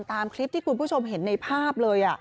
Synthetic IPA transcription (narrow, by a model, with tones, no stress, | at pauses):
mt̪aː˧mkʰli˦˥p̚t̪ʰiː˥˩kʰu˧npʰuː˥˩t͡ɕʰo˧mɦe˩˦nːa˧jpʰaː˥˩p̚lɤː˧jʔa˨˩